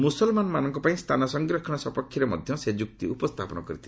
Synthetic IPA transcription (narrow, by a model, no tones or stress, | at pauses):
musɔlmanɔmanɔŋkɔpaĩst̪ʰanɔsɔŋɡɾɔkʰɔɽ̃ɔsɔpɔkʰːiɾemɔd̪ʱjɔsed͡ʒuk̚t̪iupɔst̪ʰapɔnɔkɔɾitt̪ʰil